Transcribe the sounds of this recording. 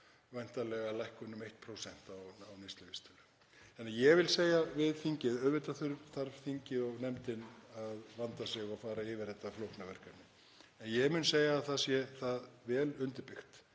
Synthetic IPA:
vajn̥t̪alɛɣalajhkʏnːʏmejht̪pʰɾowsɛn̥t̪awawnest̪lʏvist̪ʏlʏ | θɛnːajɛɣvɪlseːjavɪðθiɲcɪðœðvɪt̪aθʏɾθaɾθiɲcɪɔɣnɛmt̪ɪnaðvant̪asjɛɣawfaːɾaɪːvɪɾ̥ɛt̪ːaflowhknavɛr̥kannɪ | ɛnjɛmʏnseːjaːθasjɛθaðvɛːlʏnt̪ɪɾpɪxt̪

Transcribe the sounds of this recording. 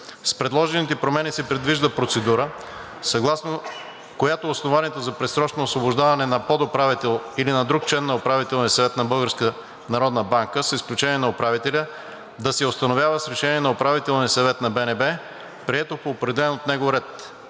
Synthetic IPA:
spɾɛd̪lˠɔʒɛnit̪ɛpɾomɛnisɛpɾɛd̪viʒd̪əpɾot̪sɛd̪uɾə | sɐɡlˠasno | kojat̪oːsnovaniɛt̪ozɐpɾɛt̪sɾɔt͡ʃnoːsvobʊʒd̪avɐnɛnɐpɔd̪opɾavit̪ɛlˠilinɐd̪ɾuk̚t͡ʃlɛnːɐopɾavit̪ɛlˠniəsɐvɛt̪nɐbɤlˠɡəɾskə | nɐɾɔd̪nəbaŋkəsisklʲut͡ʃɛniɛnɐopɾavit̪ɛlʲə | d̪ɐsɛost̪ɐnovʲjavəsɾɛʃɛniɛnɐopɾavit̪ɛlˠniəsɐvɛt̪nɐbɛnɛbɛ | pɾiɛt̪opoːpɾɛd̪ɛlɛnot̪nɛɡoɾɛt̪

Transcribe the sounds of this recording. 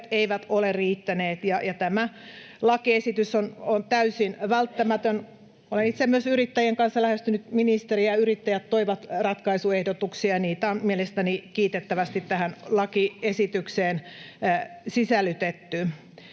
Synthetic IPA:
t̪eiʋæt̪olerriːt̪ːæneːt̪jɑjɑt̪æmæ | lɑkiesit̪ysonont̪æysinʋælt̪ːæmæt̪øn | olenit̪semyøsyrit̪ːæjeŋkɑnsːɑlæhest̪ynyt̪minist̪eriɑjɑyrit̪ːæjæt̪toiʋɑt̪rɑt̪kɑisuehdot̪uksiɑniːt̪ɑːmielest̪ænikiːt̪et̪ːæʋæst̪it̪t̪æhænlɑkiesit̪ykseːn | sisælːˑyt̪et̪ːy

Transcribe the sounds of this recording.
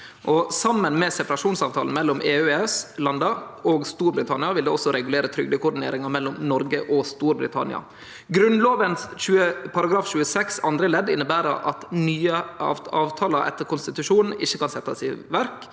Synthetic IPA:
ʔɔsɑmːənmɛːsɛpɑɾɑʂuːnsɑːʋt̪ʰɑ̰ːln̩mɛlːɔmʔeːøɛslɑnd̪ɑoːɡst̪uːɾbɾɪt̪ʰɑnɪɑʋɪld̪eːɔsɔɾɛɡʉleːɾət̪ʰɾʏɡd̪əkʰʊɖ̪ɪnḛːɾɪŋɑɾmɛlːɔmnɔɾɡəʔɔst̪uːɾbɾɪ̰t̪ʰɑ̰nɪ̰ɑ̰ | ɡɾʉnloːʋənçʉːəpʰɑɾɑɡɾɑːfɕʉːəsɛksɑnd̪ɾəlɛd̪ɪnːəbæːɾə̰ʔɑ̰t̪nyːəɑ̰ɑ̰ːʋt̪ʰɑːlɑʔɛ̰t̪ːəɾkʊnst̪ɪt̪ʉʂuːnn̩ɪçːəkɑnsɛt̪ːɑsɪʋæɾk

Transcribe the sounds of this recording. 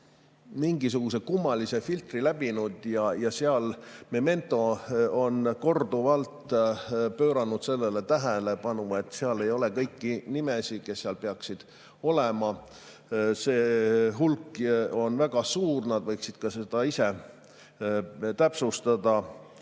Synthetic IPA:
miŋɡis̬uɡ̥us̬ekumːɑlise̞filt̪rilæb̥inud̪̥jɑjɑseɑlmeme̞nt̪ːˑo̞o̞nko̞rd̪̥uvɑlt̪ | pøːɾɑnud̪se̞lːelet̪æɦælepɑnume̞t̪ːˑseɑle̞jo̞le̞kɤjkːinimesike̞sːeɑlpeɑksid̪̥ | o̞lemɑ | se̞ːɦulkːˑo̞nvæɡ̥ɑsuːrnɑd̪̥vɤjksid̪̥kɑse̞d̪̥ɑise̞ | t̪æpsust̪ɑd̪̥ɑ

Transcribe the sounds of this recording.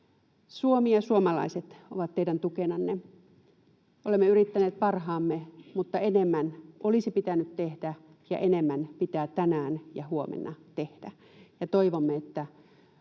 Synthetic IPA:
suomijɑsuomɑlɑ̰iset̪o̰ʋɑt̪t̪ːeidænt̪ukenɑnːe | ʔolemːeyrit̪ːæneːt̪̚pɑrhɑːmːemut̪ːɑenemːænʔolisipit̪ænyt̪t̪ehd̥æ | jɑ̰ʔenemːænpit̪æːt̪ænæːnjɑhuomḛnːɑt̪ehd̥æ | jɑt̪oiʋomːeet̪ːæ

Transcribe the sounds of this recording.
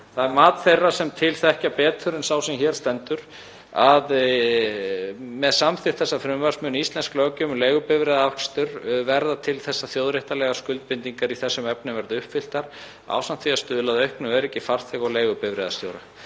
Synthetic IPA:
θaðɛɾmaːt̪θejrːasɛmt̪ʰɪlθɛhcapɛːt̪fʏɾɪnsaːwsɛmçɛːɾ̥st̪ɛnt̪ʏɾ̥ | að | mɛðsamθɪt̪θɛsːafɾʏmvaɾ̥smʏnist̪lɛnsklœːcʏmleːjɣʏpɪvɾɛðaakst̪ʏɾvɛɾðat̪ʰɪlθɛsːaθjoːwðɾɛht̪alɛːɣaskʏlt̪̚pɪnt̪iŋkaɾiθɛsːʏmɛpnʏmvɛɾðʏhpfɪl̥t̪aɾ̥ | a̰ːwsant̪fiast̪ʏðʏlaðœɥhknʏvɛɾɛcːɪfar̥θɛɣawleːɣʏpɪvɾɛðast̪jowɾa

